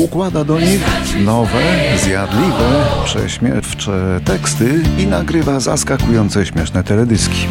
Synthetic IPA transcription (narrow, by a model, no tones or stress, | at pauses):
ukwad̪ad̪ɔɲixnɔvɛzjad̪lʲivɛpʂɛ̰ɕmʲjɛft͡ʂɛt̪ɛkst̪ɘinaɡɾɘvazaskakujɔnt̪sɛɕmʲjɛʂnɛt̪ɛlɛd̪ɘskʲi̥